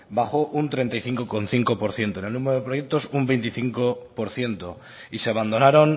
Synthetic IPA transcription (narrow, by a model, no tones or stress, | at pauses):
baxo̞ʔunt̪ɾe̞nt̪ajθiŋkokonθiŋkopo̞ɾθje̞nt̪onelnũmeɾoð̞epɾo̞jek̚t̪o̞sumbe̞jnt̪iθiŋkopoɾθje̞nt̪o | iseaβand̪o̞naɾon